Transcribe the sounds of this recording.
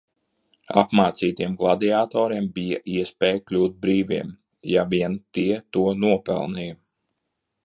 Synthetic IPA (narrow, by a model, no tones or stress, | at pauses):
a̰pmaːt̪siːt̪ijɛmɡlˠad̪iaːt̪ɔːɾiɛmbijaʔiɛspɛːjklʲuːt̪̚bɾiːvḭɛm | javiɛnt̪iɛt̪uɔnuɔpɛ̰lˠnij